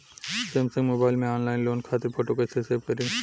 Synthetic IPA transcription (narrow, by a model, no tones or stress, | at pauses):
seːmsɐ̃ŋɡmoːbaːɪlmẽaːnlaːɪnloːnkʰaːt̪epʰoːʈokɐseseːbkɐɾiː